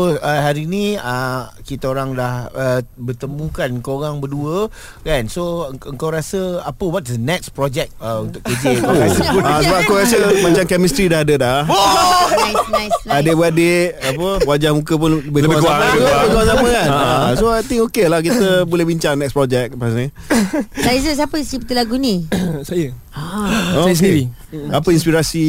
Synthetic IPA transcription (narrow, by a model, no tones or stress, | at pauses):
oəhaɾinĩəkit̪əoɾaŋdahəbət̪əmũkankoɾaŋbəduə | kansoəŋkawɾasəapəwɔt̚dənɛk̚spɾɔd͡ʒɛk̚əunt̪ʊkəd͡ʒə | asəbapakaɾasəmãt͡ʃamkɛmist̪ɾidahadəda | aadeʔbəadeʔapəwad͡ʒahmũkəp̬ʊnəbɪləbɪkaəbɪpəkawaŋsamãkanasoajt̪ĩŋokelahk̬it̪əbulɛhbiɲt͡ʃaŋnɛk̚spɾɔd͡ʒɛk̚pasni | sajzəs̬apəsəpət̪ilaɡunĩsajə | asi | apəinspiɾasi